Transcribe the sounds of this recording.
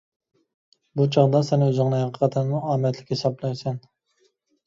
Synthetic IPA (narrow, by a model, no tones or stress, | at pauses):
but͡ʃʰɑʁd̪ɑsɛnɪøzɪŋnɨɦɑqʰə̥qʰɑt̪ʰɛnmuɑːmɛt̪ʰlɪkʲhesɑblɛjsɛn